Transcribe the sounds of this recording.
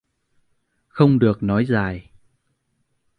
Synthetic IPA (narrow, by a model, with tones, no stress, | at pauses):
xə˧wŋ͡mɗɨ˨˩ək̚nɔ˨˦jzaː˨˩j